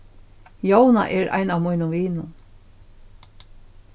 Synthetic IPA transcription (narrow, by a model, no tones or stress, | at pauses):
jowna̰ʔɛɹa̰jnawmujnʊmʋiːnʊn